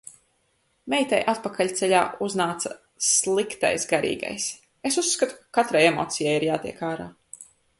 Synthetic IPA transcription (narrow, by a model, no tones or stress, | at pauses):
mɛjt̪ajʔat̪̚pakalʲt̪sɛʎʲaːʔuznaːt̪sa | slˠikt̪a̰jsɡaɾḭːɡa̰js | esusːkat̪u̥kḁkat̪ɾajemo̰ːt̪sijajiɾjaːt̪iɛkaːɾaː